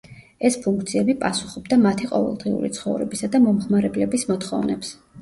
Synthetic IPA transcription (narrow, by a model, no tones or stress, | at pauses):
ɛspʰuŋkʰt̪sʰiɛbipʼasu̥χɔbd̪amat̪ʰiqʼɔ̰vɛ̰lˠd̪̥ʁiṵɾḭt̪sʰχɔvɾɛbisad̪amɔmχmaɾɛblɛbismɔt̪χɔ̰vnɛ̰ps